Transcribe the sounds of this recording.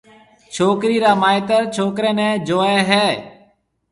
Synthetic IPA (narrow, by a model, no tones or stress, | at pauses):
t͡ʃʰoːkɾiːɾaːmaːɪt̪əɾt͡ʃʰoːkɾẽːnɛ̃ːd͡ʒoːeːɦɛː